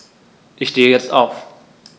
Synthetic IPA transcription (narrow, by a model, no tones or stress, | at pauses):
ʔɪçʃteːəjɛt͡staʊf